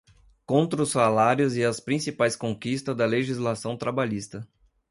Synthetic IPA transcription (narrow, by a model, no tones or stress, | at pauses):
kõnt̪ɾɐʊsːalaɾjʊzɪɐspɾĩsipajskõkist̪ɐzd̪ɐleʒizlasɐ̃w̃t̪ɾabaʎist̪ɐ